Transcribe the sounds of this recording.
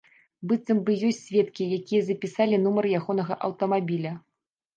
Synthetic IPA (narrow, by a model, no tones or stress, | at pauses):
bɨt̪sɐmbɨjɔsʲtʲsʲvʲɛt̪kʲijakʲijɐzɐpʲisalʲin̪umɐrjaɣɔnɐɣɐʔɐwt̪ɐmabʲilʲɐ